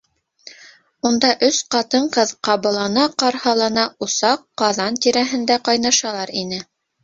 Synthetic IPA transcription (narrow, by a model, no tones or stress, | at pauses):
und̪ɑʔɵsqɑt̪ɤɴqɤðqɑβɤ̆lˠɑnɑqɑɾhɑlˠɑnɑusɑqːɑðɑnt̪iɾæɦɘ̆nd̪æqɑjnɑʃɑlˠɑɾinɘ